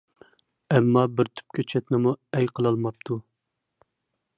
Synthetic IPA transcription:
ɛmːɑbɪɾt̪ʰy̥p̚kʲʰɛt͡ʃʰɛt̪nɪmuɛjqʰəlˠɑlˠmɑp̚t̪ʰu

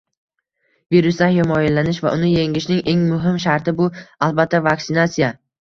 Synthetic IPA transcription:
viɾʊsd̪anjomɒjɪllːanɪʃva̰ʔʊnɪje̞ŋɪʃnɪŋʔe̞ŋmʊɦɪmʃaɾt̪ʰɪbʊalˠbat̪ʰːavaksɪnat̪sija

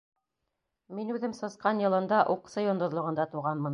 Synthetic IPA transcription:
minʉðɘmsɤ̆sqɑnjɤ̆lˠɤ̆nd̪ɑʔuqsajond̪ŏðlˠŏʁɤ̆nd̪ɑt̪uʁɑnmɤ̆n

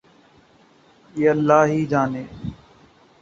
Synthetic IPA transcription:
jeːəlːaːɦiːd͡ʒaːneː

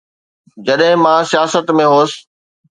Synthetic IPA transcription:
d͡ʑɐɗɦɪ̃mãsijaːsət̪mẽɦoːsɪ̥̆

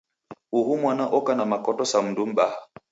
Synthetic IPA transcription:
uɦumwanaʔɔkanamakɔtɔsam̩dum̩ɓaha

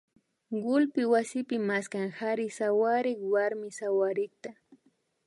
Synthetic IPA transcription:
ɢʊlpɪwasɪpɪmaskaŋxaɾɪsawaɾɪkwaɾmɪsawaɾɪk̚t̪a

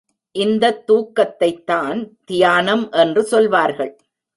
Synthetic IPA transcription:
ʔɪnd̪ɐt̪ːuːkːɐt̪ːɐɪt̪ːaːnt̪ɪjaːnɐmʔɛndrɯsɔlʋaːɾɣɐɭ

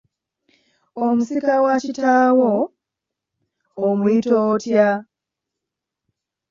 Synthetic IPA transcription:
omusikawacitaːwo | mwitoːtja

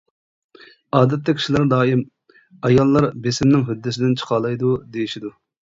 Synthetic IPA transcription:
ɑːd̪ɛt̪ʰːɛkʲʰi̥ʃilˠæɾd̪ɑːjim | ɑjɑlˠːɑɾbesɪmnɪŋɦyd̪ːɪsɪd̪ɪnt͡ʃʰə̥qʰɑːlˠɑjd̪ud̪ejiʃid̪u

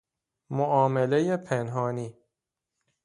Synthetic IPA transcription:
moʔɒːmele̞jepʰenɦɒːniː

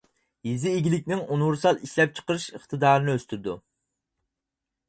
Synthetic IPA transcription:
jizɪːɡʲilɪkʲnɪŋunwuɾsɑlˠiʃlɛp̚t͡ʃʰə̥qəɾɨʃəχt̪ɨd̪ɑːɾɨnɨøst̪yɾd̪u

